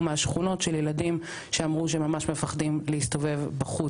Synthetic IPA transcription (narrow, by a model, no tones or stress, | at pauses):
meaʃχuno̞tʃeljeladim | ʃeamʁuʃeemːamaʃmefaχdimlehist̪o̞ve̞vbaχu